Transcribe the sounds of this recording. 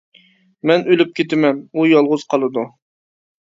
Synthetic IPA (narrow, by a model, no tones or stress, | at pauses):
mɛnølyp̚kʲʰet̪ɪmɛnujɑlˠʁʊz̥qʰɑlˠɨd̪u